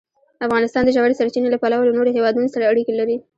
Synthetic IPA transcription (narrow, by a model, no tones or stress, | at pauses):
afɣɑnɪst̪ɑnd̪əʒawaɾesaɾt͡ʃinelapalawalanoɾeɦewɑd̪unosaɽaaɽikelaɾi